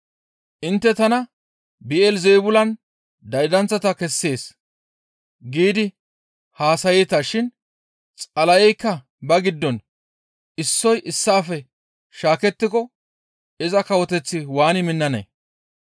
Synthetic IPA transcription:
ʔɪnt̪ːɛt̪ɐnɐ | bɪɛlzejbʊlɐn | d̪ɐjd̪ɐnt͡sːɐt̪ɐkɛsːe̞ːs | ɡiːd̪ɪ | haːsɐjɛt̪ɐʃɪn | t͡sʼɐlɐjɛjkːɐ | bɐɡɪd̪ːɔn | ɪsːɔjʔɪsːaːfɛ | ʃaːkɛt̪ːɪkɔ | ɪzɐkɐwɔt̪ɛt͡sːɪwaːnɪmɪnːɐnɐ̰

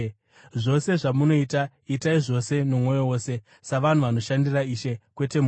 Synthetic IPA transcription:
ʐo̞se̞ʐamuno̞ita | itaiʐo̞se̞nomwo̞jo̞wo̞ːse̞ | saʋan̤uʋano̞ʃandiraiːʃekwe̞te̞mu

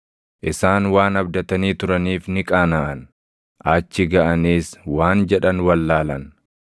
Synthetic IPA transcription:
ʔɪsaːnwaːnɐbd̪ɐt̪ɐniːt̪ʊɾɐniːfnɪkʼaːnaʔɐn | ʔɐt͡ʃːɪɡɐʔɐniːswaːnd͡ʒɛᶑɐnwɐlːaːlɐn

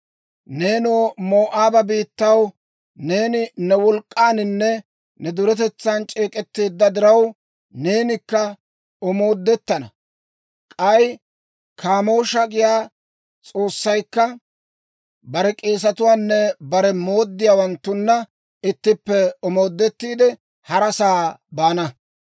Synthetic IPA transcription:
ne̞ːnoːmo̞ːʔaːbɐbiːt̪ːɐw | ne̞ːnɪnɛwɔlkʼːaːnɪnːɛ | nɛd̪ʊɾɛt̪ɛt͡sːaːnt͡ʃʼe̞ːkʼɛt̪ːe̞ːd̪ːɐd̪ɪɾɐw | ne̞ːnɪkːɐ | ɔmo̞ːd̪ːɛt̪ːɐnɐ | kʼɐj | kʰaːmo̞ːʃɐɡɪjaː | t͡sʼo̞ːsːɐjkːɐ | bɐɾɛkʼe̞ːs̬ɐt̪ʊwaːnːɛbɐɾɛmo̞ːd̪ːɪjaːwɐnt̪ːʊnːɐ | ɪt̪ːɪpːɛɔmo̞ːd̪ːɛt̪ːiːd̪ɛ | hɐɾɐsaːbaːnɐ

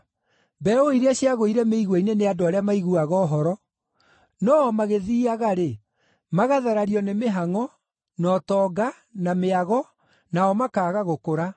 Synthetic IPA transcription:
bɛoiɾeaɕiaɣoiɾɛmeiɣwineneadoaɾeamaiɣuaɣɔːɦɔɾɔ | nɔmaɣeðiːaɣaɾe | maɣaðaɾaɾiɔnemeɦaŋɔ | nɔtɔːɡa | nameaɣɔ | naɔmakaːɣaɣokoɾa

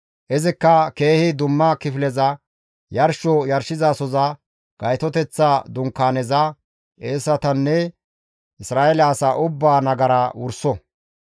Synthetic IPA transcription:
ʔɛzɪkːɐke̞ːhɪd̪ʊmːɐkɪfɪlɛzɐ | jɐɾʃɔjɐɾʃɪzasɔzɐ | ɡ̥ɐjt̪ɔt̪ɛt͡sːad̪ʊŋkːaːnɛzɐ | ʔeːsɐt̪ɐnːɛ | ʔɪsɾaːʔɛlaːsaʔʊbːaːnɐɡɐɾɐwʊɾsɔ

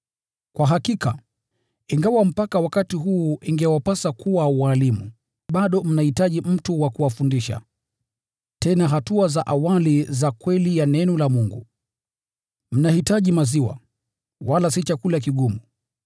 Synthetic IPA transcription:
kwaɦakika̰ | iŋɡawam̩pakawakatiɦuːʔiŋɡɛwapasakuwawalimṵ | ɓaɗɔm̩nahitaʄim̩tuwakuwafundiʃa̰ | tɛnaɦatuazaʔawalizakwɛlijanɛnɔlamuŋɡu | m̩nahitaʄimaziwa̰ | walasit͡ʃakulakiɠumu

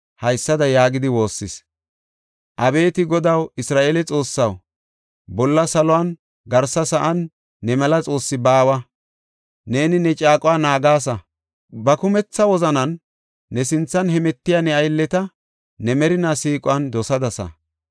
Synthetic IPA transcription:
hɐjsːɐd̪ɐjaːɡɪd̪ɪwo̞ːsːɪs | ʔɐbe̞ːt̪ɪɡɔd̪ɐwɪsɾaːʔeːlɛt͡sʼo̞ːsːɐw | bɔlːɐsɐlɔwan | ɡɐɾsɐsɐʔɐnː | ɛmɛlɐt͡sʼo̞ːsːɪbaːwɐ | neːnɪnɛt͡ʃʼaːkʼʊwaːnaːɡaːs̬ɐ | bɐkʊmɛt͡sːɐwɔzɐnɐnː | ɛsɪnt͡sːɐnhɛmɛt̪ːɪjanɛɐjlːɛt̪ɐ | nɛmɛɾɪnasiːkʼʊwɐnd̪ɔsɐd̪ɐsɐ̰

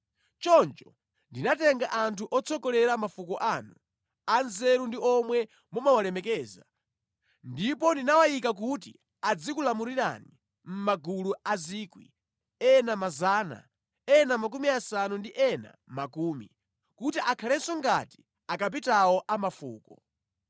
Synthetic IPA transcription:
t͡ʃɔnt͡ʃɔ | ndinatɛŋɡaʔantʰuʔɔt͡sʰɔkɔlɛɾamafukɔʔaːnu | anzɛɾundiɔmwɛ | mɔmawalɛmɛkɛːza̰ | ndipɔndinawajikak̬utḭ | ad͡zikulamuɾiɾa̰ni | m̩maɡuluaziːkwḭ | ɛnamazaːna̰ | ɛnamak̬umiasanundiʔɛna̰makuːmḭ | kutiʔakʰalɛsɔŋɡati̥ | akap̬itawɔʔamafṵːkɔ

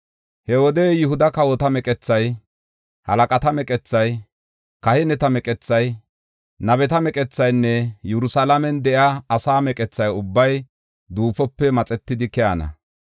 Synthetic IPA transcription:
hɛwɔd̪ejɪɦʊd̪ɐkɐwɔt̪ɐmɛkʼɛt͡sːɐj | hɐ̰lɐkʼɐt̪ɐmɛkʼɛt͡sːɐj | kɐhɛnɛt̪ɐmɛkʼɛt͡sːɐj | nɐβɛt̪ɐmɛkʼɛt͡sːɐjnːɛjɛɾʊsalɐmɛnd̪ɛʔjaːsaːmɛkʼɛt͡sːɐjʊbːɐj | d̪uːpɔpːɛmɐt͡sʼɛt̪ːɪd̪ɪkɛanɐ̰

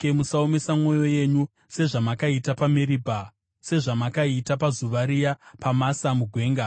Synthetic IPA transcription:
emusaomesamŋo̞jo̞je̞ɲu | se̞ʐamakaitapameɾiːbʱa | se̞ʐamakaitap̬azuʋaɾijapamasamuɡʱwe̞ːŋɡa

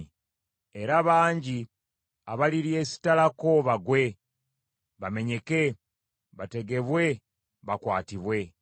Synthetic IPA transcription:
e̞ɾaβaːɲɟi | aβaliɾje̞ːsi̥talakoβaɡwe̞ | βame̞ɲe̞ke̞ | βate̞ɡe̞βwe̞ | βakwaːtiβwe̞

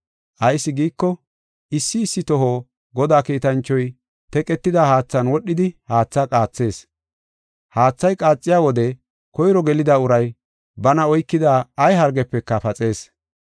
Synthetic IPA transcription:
ʔɐjsːɪɡiːkːɔ | ʔɪsːɪːsːɪt̪ɔɦoː | ɡɔd̪aːkiːt̪ɐnt͡ʃːɔj | t̪ɛkʼɛt̪ːɪd̪ahaːt͡sːɐnwɔɗːɪd̪ɪhaːt͡sːɐkʼaːt͡sːe̞ːs | haːt͡sːɐjkʼaːt͡sʼːɪjaːwɔd̪ɛ | kɔjɾɔɡɛlɪd̪aʊɾɐj | bɐnɐɔjkːɪd̪aːɐjɦɐɾɡɛpːɛkːɐfɐt͡sʼe̞ːs

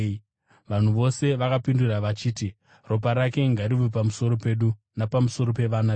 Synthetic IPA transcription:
ʋan̤uʋo̞se̞ʋakapinduɾaʋat͡ʃiːti | ro̞p̬aɾake̞ŋɡaɾiʋop̬amuso̞ɾo̞pe̞ɗu | napamuso̞ɾo̞pe̞ʋana

